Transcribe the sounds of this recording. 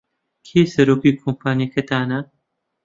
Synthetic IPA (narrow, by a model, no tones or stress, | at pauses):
kʰeːsɐɾoːkiːkʰompʰaːnekʰɐt̪aːna